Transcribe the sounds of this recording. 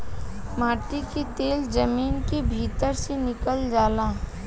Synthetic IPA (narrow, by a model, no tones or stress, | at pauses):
maːʈiket̪eːld͡ʒɐmiːnkebʱiːt̪əɾsenɪkəld͡ʒaːlaː